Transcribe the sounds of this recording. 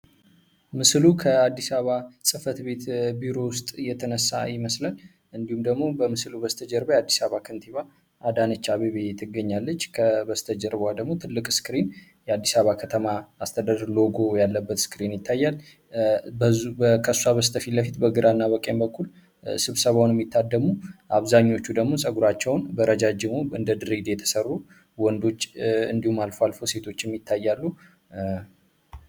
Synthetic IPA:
mɨslukʰəad̪ːisaβasʼɨfət̪be̞t̪biɾo̞wʊst̪ʼjɛt̪ʰənəsːa̰jɪməslal | ɨnd̪ihumd̪əɡmo̞bəmɨslubəst̪ʰəd͡ʒəɾbəjad̪ːisaβakʰɨnt̪ʰiβa | ʔad̪anɨt͡ʃːaβeβet̪ʰɨɡːəɲːalːət͡ʃːkʰəbəst̪ʰəd͡ʒəɾbəwad̪əɡmo̞t̪ʰɨlːɨkʼskɨɾin | jɛad̪ːisaβakʰət̪ʰəmaːst̪ʰəd̪ad̪ɾlo̞ɡo̞jalːəbːət̪skɨɾinjɪt̪ʰːajːal | əkʰəssaβəst̪ʰəfiləfit̪bəɡɨɾanːaβəkʼembəkʰːul | sɨβsəβawnjɛmːit̪ʰːad̪ːəmuʔaβzaɲːo̞t͡ʃːud̪əɡmo̞sʼəɡuɾat͡ʃːɛwnbəɾəd͡ʒad͡ʒɪmoɨ̰nd̪əd̪ɨɾid̪jɛt̪ʰə̥sərːu | wɔnd̪o̞t͡ʃːɨ̰nd̪ihumːalfowalfowse̞t̪ʰo̞t͡ʃːɛmːit̪ʰːajːalːu

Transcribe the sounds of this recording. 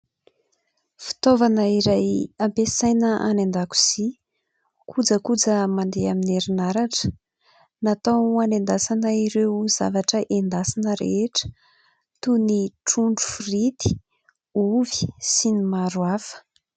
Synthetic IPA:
fi̥t̪ovanəiɾajampesajnəʔa̰nand̪aku̥z̥i | kʰud͡zəkud͡zəmand̪eamineɾinaɾaʈ͡ʂə̥ | nat̪awanend̪asanəiɾewza̰vaʈ͡ʂəʔend̪asinəɾḛeʈ͡ʂə̥ | t̪uniʈ͡ʂuɳɖ͡ʐu̥furit̪i̥ | uvi̥sinimaɾuafə̥

